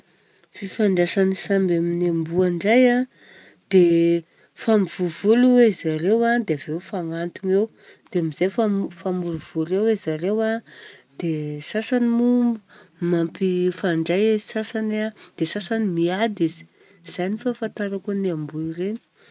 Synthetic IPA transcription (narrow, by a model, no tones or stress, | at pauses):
fifaɳɖ͡ʐasanisambaminambuaɳɖ͡ʐaja | d̪̥e | famiv̥uvuluwezaɾewad̪eaveufaŋant̪uŋewd̪̥eamiz̥ajfafamuɾuv̥uɾewezaɾewad̪̥esasanimumbumampifaɳɖ͡ʐajezi̥sasanad̪̥esasanimiad̪izi̥ | z̥ajnifafant̪aɾakuniambuireni̥